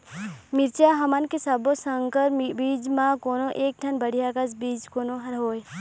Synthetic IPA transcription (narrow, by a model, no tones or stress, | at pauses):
miɾt͡ʃaɦɐmankesɐbosəŋkəɾbiːd͡ʒmãkoːnoʔeːk̚ʈʰɐnbəɽ̤ijakɐsbiːd͡ʒkoːnoɦɐɾɦoːj